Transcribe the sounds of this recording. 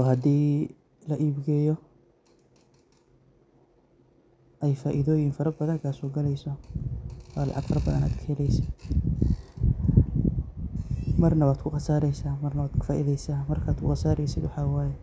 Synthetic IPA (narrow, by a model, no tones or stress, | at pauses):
ɔːhɐd̪iː | lɐʔiːbɡɛːjɔ | ʔɛjfaːʔɪðɔːjɪŋfɐɾɐbɐðɐŋkʰaːsɔːɡɐlɛjsɔ | waːlɑ̰ʕɑɡfɐɾɐbɐðɐ̰na̰ːd̪kʰɛɛlɛjsɪd̪ | mɐrnɐwaːd̪kʰʊqɑsaːɾɛjsaːmɐrnɐwaːd̪kʰʊ̥faːʔɪðɛjsaːmɐrkʰaːd̪kʰʊ̰qɑsaːɾɛjsɪd̪wʊħɑːwaːjɛ